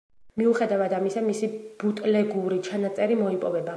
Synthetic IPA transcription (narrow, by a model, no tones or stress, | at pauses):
miuχɛd̪avad̪amisamisib̥ut̪ʼlɛɡuɾit͡ʃʰanat̪sʼɛɾimɔipʼɔvɛba